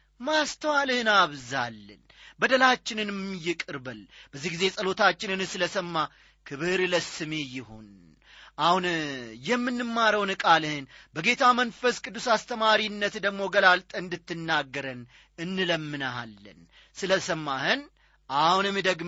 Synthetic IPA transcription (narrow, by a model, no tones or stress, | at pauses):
mast̪ʰəwalɨhɨnaβzalːə̰n | bəd̪əlat͡ʃːɪnɨnmjɪkʼɨɾbəlb̥əzːihɡize̞sʼəlo̞t̪ʰat͡ʃːɪnɨnsɨləsəmːa | kʰɨβɨɾləsɨme̞jɪho̞n | ʔahunjɛmːɨnːɨmːaɾəwnɨkʼalɨhɨnbəɡe̞t̪ʰamənfəskʼɨd̪ːusast̪ʰəmaɾinːət̪d̪əɡmo̞ɡəlalt̪ʼəɨnd̪ɨt̪ʰːɨnːaɡːəɾən | ɨnːɨləmːɨnaa̰lːə̰n | sɨləsəmːahɨn | ʔahunɛmːid̪əɡ